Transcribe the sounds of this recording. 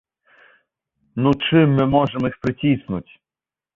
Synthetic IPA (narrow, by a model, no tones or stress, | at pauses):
nut͡ʃɪmːɪmɔʒemɔixpɾɪtʲisnʊtʲ